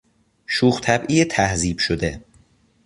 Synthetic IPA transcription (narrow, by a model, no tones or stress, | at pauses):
ʃuːχt̪ʰæbʔiːjet̪ʰæhziːb̥ʃod̪e